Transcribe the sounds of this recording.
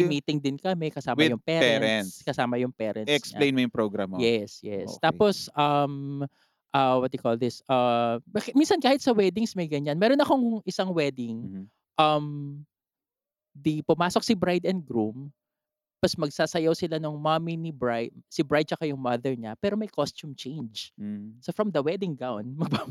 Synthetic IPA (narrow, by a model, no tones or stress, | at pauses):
mmiːt̪ɪŋd̪ɪnkɐmɛkɐsaːmɐjʊŋpɛːɛɾɛsskɐsaːmɐjʊŋpɛːɾʔɐnɛkspɲlejnmojʊŋpɾoɡɾa̰mojɛsjɛ̰so̰t̪aːposʔɐm | ʔɐwɐt̪̚jɪkold̪ɪsʔɐbɐminsɐnkaːhɪt̪sɐwɛd̪ɪŋsmɐjɡɐɲanmɛːɾonɐkoŋʔɪsaŋwɛd̪ɪŋ | ʔɐm | d̪ipʊmaːsok̚sɪbɾajd̪ɛnd̪̚ɡɾum | bɐsmɐɡsaːsɐjowsɪlanʊŋmɐminɪbɹajd̪̚sɪbɹajd̪̚t͡ʃɐkajʊŋmɐðɛɹɲɐpɛːɾomɐjkost̪umt͡ʃejnd͡ʒsofɹɐmd̪ɐwɛd̪ɪŋɡawnmɐɡ̚pa